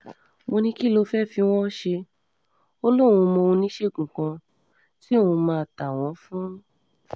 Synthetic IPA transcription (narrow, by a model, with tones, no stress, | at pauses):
mo˧nĩ˧˦ki˦lo˧fɛ˦˨fi˧˦w̃ɔ̃˦ʃe˧ | o˦lõ˦˨ũ˧mɔ̃˧ũ˧nĩ˦ʃe˦˨ɡũ˨kã˧ | ti˦o˦˨ũ˧mã˧˦˨ta˨w̃ɔ̃˨˦fũ˦